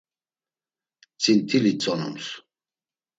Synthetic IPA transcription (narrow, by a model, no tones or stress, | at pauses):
t͡sʼint̪ʰilit͡sʼɔnṵms